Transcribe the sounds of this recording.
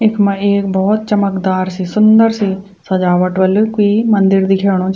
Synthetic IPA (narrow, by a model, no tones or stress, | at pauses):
ɪkʰmɛ̃eːk̚bɔːt̪̚t͡ʃəməkd̪aːɾsiːsʊnd̪əɾsiː | səd͡ʒaːʋəʈʋəlkiːmənd̪ɪɾd̪iːkʰeːɽ̃õːt͡ʃ